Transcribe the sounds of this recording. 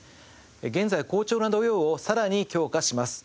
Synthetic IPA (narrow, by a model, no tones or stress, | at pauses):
eɡẽ̞nzaiko̞ːt͡ɕo̞ːnad̪o̞jo̞ːosaɾaɲ̟ikʲo̞ːkaɕimasɨ̥